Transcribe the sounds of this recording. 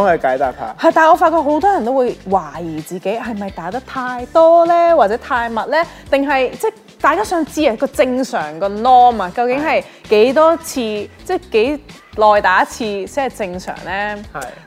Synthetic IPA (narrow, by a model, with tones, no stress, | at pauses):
hɐ˨jkaː˨˥jt̪aː˨p̚ha̰ː˨˧˩hɐ˨˩jt̪aː˨˩ŋɔː˨˧faː˧t̚kɔː˧k̚ɦo˨˥wt̪ɔː˥jɐ˨˩nt̪o˥wuː˨˧jwaː˨˩jiː˨˩t͡siː˨ke˨˥jɦɐ˨jmɐ˨jt̪aː˨˥t̪ɐ˥k̚t̪ʰaː˧jt̪ɔː˥lɛː˥waː˨t̚t͡sɛː˨˥t̪ʰaː˧jmɐ˨t̚lɛː˥t̪ɪ˨ŋɦɐ˨jt͡sɛː˥˩ | t̪aː˨jkaː˥sœː˨˥ŋt͡siː˧jɐ˨˩kɔː˧t͡sɪ˧ŋsœː˨˩ŋkɔː˧nɔː˥mɐ˧kɐ˧wkɪ˨˥ŋɦɐ˨j | ke˨˥jt̪ɔː˥t͡sʰiː˧t͡sɛː˥˩ke˨˥j | lɔː˨jt̪aː˨˥t͡sʰiː˧siː˥ɐ˨˩t͡sɪ˧ŋsœ̰ː˨˩ŋlɛː˥ɐ˨